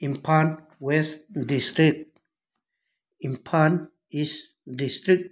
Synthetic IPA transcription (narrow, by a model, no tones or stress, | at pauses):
ĩmpʰan | wesdist̪ɾik̚ | ĩmpʰan | is | dist̪ɾik̚